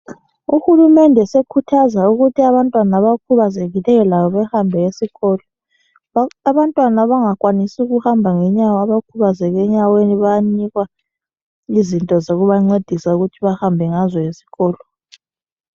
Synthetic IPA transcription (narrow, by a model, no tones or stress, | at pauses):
uxulumɛndʱɛsekʰutʰazauɣutʰiaβantʼwanaβakʰuβazeɣilɛjɔlaβɔβɛhambʱɛesiɣɔːlɔ | aβantʼwanaβaŋakʼwanisiuɣuhambʱaŋɛɲawaβakʰuβazɛɣɛɲaweniβajaniɣwa | izintʼɔzoɣuβaŋ͡ǀed̥ʱisauɣutʰiβahambʱɛŋazɔjesi̥ɣɔːlɔ